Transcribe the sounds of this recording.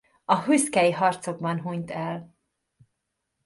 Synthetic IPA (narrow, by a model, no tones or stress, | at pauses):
ɒɦyskɛjiɦɒrt̪so̞ɡ̚bɒnɦuɲt̪ɛl